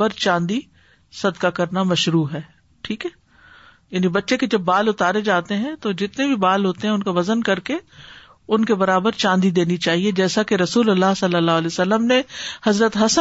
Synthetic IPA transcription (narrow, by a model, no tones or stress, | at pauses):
əɾt͡ʃãːnd̪i | sɐd̪kakɐɾnamɐʃɾuːɦɛː | ʈʰiːkɦɛː | jaːnibɐtːʃeked͡ʒɐbːaːlʊt̪aːɾed͡ʒaːt̪eɦɛ̃t̪od͡ʒɪt̪nebʱibaːlɦoːt̪eɦɛ̃ʊnkaʋɐzənkɐɾke | ʊnkebɐɾaːbəɾt͡ʃãːnd̪id̪eːnit͡ʃaːɦied͡ʒɛːsakeɾɐsuːlɐlːaːɦsɐlːəlːaːɦəlɛeːsɐlːəmnehɐzɾət̪ɦɐsə